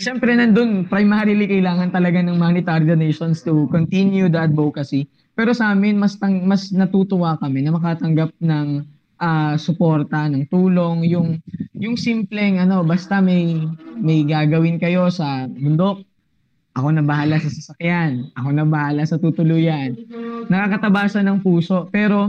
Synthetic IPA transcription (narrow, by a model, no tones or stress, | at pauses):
ʃɛmpɾɛnɐnd̪onpɾɐjmaːɾɪlikɐjlaːŋɐnt̪ɐlɐɡanɐŋmanɪt̪aɾid̪oneʃonst̪ukont̪injud̪ɐt̪̚bowkɐsi | pɛːɾo̞sɐaːmɪnmɐst̪ɐŋmɐsnɐt̪uːt̪ʊwakɐmɛnɐmɐkaːt̪ɐŋɡap̚nɐŋ | ʔasʊpo̞ɾt̪ɐnɐŋt̪uːlo̞ŋjʊŋjʊŋsimplɛŋʔɐno̞bɐst̪ɐmɐjmɐjɡaːɡɐwɪnkɐjo̞sɐbʊnd̪o̞k̚ | ʔɐko̞nɐbɐhalasɐsɐsɐkjanʔɐko̞nɐbɐhalasɐt̪ut̪ʊluːjɐnːɐkakɐt̪ɐbaːsɐnɐŋpuːso̞ʔpɛːɾo̞